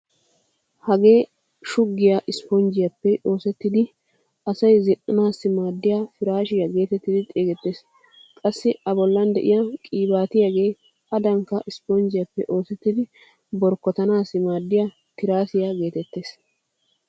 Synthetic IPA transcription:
hɐɡe̞ː | ʃʊɡːɪjɐʔɪspɔnd͡ʒɪjɐpːɛo̞ːsɛt̪ːɪd̪ɪ | ɐsɐjzɪnɐnaːsːɪmaːd̪ːɪjafɪɾaːʃɪjɐɡe̞ːt̪ɛt̪ːɪd̪ɪt̪ʼeːɡɛt̪ːeːs | kʼɐsːɪɐbɔlːɐnd̪ɛ̰ʔɪjɐkʼiːbaːt̪ɪjaɡe̞ː | ɐd̪ɐŋkːɐʔɪspɔnd͡ʒɪjɐpːɛʔo̞ːsɛt̪ːɪd̪ɪ | bɔɾkːɔt̪ɐnaːsːɪmaːd̪ːɪja | t̪ɪɾaːsɪjaɡe̞ːt̪ɛt̪ːe̞ːs

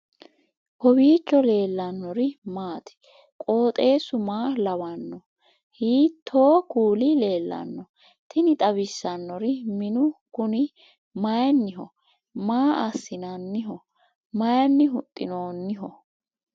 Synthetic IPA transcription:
hɔbiːt͡ʃːɔle̞ːlːɐnːɔɾɪmaːt̪ɪ̥ | kʼo̞ːt̪ʼe̞ːsʊmaːlɐwɐnːɔ | hiːt̪ʰːo̞ːkuːlɪle̞ːlːɐ̰nːɔ | t̪ʰɪnɪt̪ʼɐβɪsːɐnːɔɾɪmɪnʊkʊnɪ | mɐjnːɪɦɔ | maːʔɐsːɪnɐnːɪɦɔ | mɐjɐnːɪɦʊt̪ʼːɪ̰no̞ːnːɪɦɔ

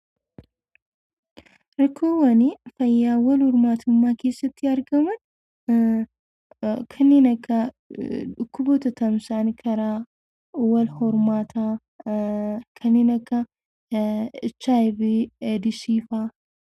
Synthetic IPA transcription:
ɾɐkːoːwɐnifɐjːaːwɐlhɔɾmaːt̪ʰʊmːaːke̞ːsːɐt̪ːɪɐɾɡɐmɐn | kʰɐnːiːnɐkːɐ | ᶑʊkːʊbɔːt̪ɐt̪ɐmsaːnkʰɐɾaː | wɐlhɔɾmaːt̪ʰa | kʰɐnːeːnɐkːɐ | ɪt͡ʃːaɪbeːd̪ɪsiːfaː

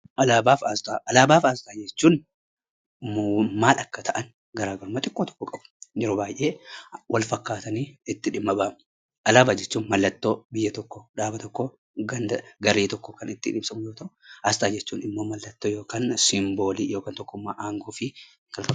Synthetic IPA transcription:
ʔɐlaːbaːfast̪ʼaːʔɐlaːbaːfast̪ʼaːd͡ʒɛt͡ʃːuːn | mumaːlʔɐkːɐt̪ʰɐʔɐn | ɡɐɾaːɡɐɾʊmaːt̪ʼɪkʼːoːt̪ɔ̥kːɔkʼɐb̥d͡ʒɛɾɔbaːjʔeːwʔɐlfɐkːaːt̪ɐniːɪt̪ːɪᶑɪmːɐbaːm | ʔɐlaːbaːd͡ʒɛt͡ʃːuːnmɐlːɐt̪ːo̞ːbɪjːɐt̪ɔkːɔᶑaːbɐt̪ɔkːo | ɡɐnd̪ɐɡɐɾeːt̪ɔkːɔkɐnɪt̪ːɪᶑɪmsɐmʊjoːt̪ɐɾʊ̥hast̪ʼaːd͡ʒɛt͡ʃːuːnɪmːoːmɐlːɐt̪ːoːjo̞ːkaːnsɪmbo̞ːliːjo̞ːkaːnt̪ɔkːʊmːaːʔaːŋɡoːfɪ | kɐlfɐ

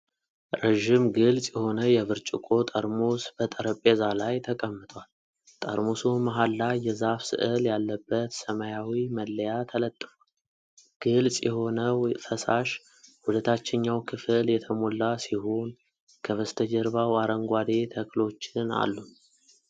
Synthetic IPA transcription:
ɾeʒɪmɡɨlsʼjɛho̞nəjɛβɨɾt͡ʃʼɪkʼo̞t̪ʼəɾmosbət̪ʼəɾəpʼezalajt̪ʰəkʼəmːɨt̪ʼwal | t̪ʼə̰ɾmosumaɦalːajɛzafsɨ̰ʔɨljalːəbːət̪səmajawiməlːəjat̪ʰələt̪ʼːɨfwal | ɡ̥ɨlsʼjɛho̞nəfʰəsaʃ | hulət̪ʰat͡ʃːɪɲːawkʰɨfɨljɛt̪ʰəmo̞lːasihon | kʰəβəst̪ʰəd͡ʒəɾβawaɾəŋɡʷad̪e̞t̪ʰəkʼlo̞t͡ʃːɪna̰lːu

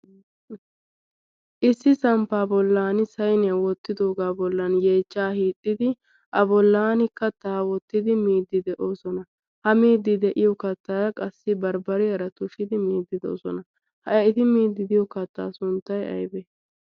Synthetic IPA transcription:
ʔɪsːɪsɐmpaːbɔlːaːnɪsɐjnɛɐwɔt̪ːɪd̪o̞ːɡaːbɔlːɐnjeːt͡ʃːaːhiːt̪ʼːɪd̪ɪ | ʔɐbɔlːaːnɪkːɐt̪aːwɔt̪ːɪd̪ɪmiːd̪ːɪd̪ɛʔo̞ːsɔnɐ | hɐmiːd̪ːɪd̪ɛʔɪjɔkɐt̪ːaːjɐkʼɐsːɪbɐɾbɐɾɪjɐɾɐt̪ʊʃɪd̪ɪmiːd̪ːɪd̪o̰ːsɔ̰nɐ | hɐjɐɪt̪ɪmiːd̪ːɪd̪ɪjɔkɐt̪ːa̰ːsʊnt̪ːɐjɐ̰jbɛ

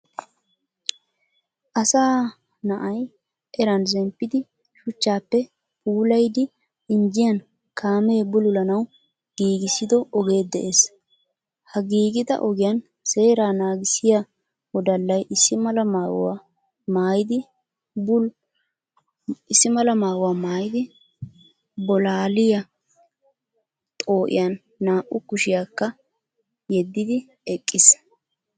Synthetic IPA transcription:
ʔɐsaː | nɐʔɐj | ʔɛɾɐnzɛmpːɪd̪ɪ | ʃʊt͡ʃːaːpːɛ | puːlɐjd̪ɪ | ɪnd͡ʒɪjɐn | kaːme̞ːbʊlʊlɐnɐw | ɡ̥iːɡɪsɪd̪ɔɔɡe̞ːd̪ɛʔes | hɐɡiːɡɪd̪ɐ̰ʔɔɡɪjɐn | se̞ːɾaːnaːɡɪsɪjɐ | wɔd̪ɐlːɐjʔɪsːɪmɐlɐmaːɡʊ̰wa̰ | maːjɪd̪ɪ | bʊl | ɪsːɪmɐlɐmaːɡʊwaːmaːjɪd̪ɪ | bɔlaːlɪjɐ | t̪ʼo̞ːʔɪ̰jɐnː | aːʔʊkʊʃɪjaːkːɐ | jɛd̪ːɪd̪ɪ | ɛkʼːɪs

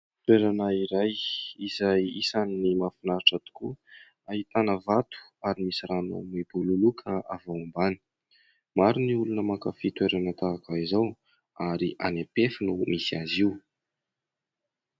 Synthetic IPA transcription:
t̪weɾanaiɾajizajisaninimafinaʈ͡ʂat̪u̥ku | aɦit̪anəvat̪u̥aɾimisiɾanṵmib̥ululukʰəʔavaumbani̥ | maɾiniulunəmakafit̪weɾanət̪akaizaw | aɾiʔa̰nepefinumisiaziw

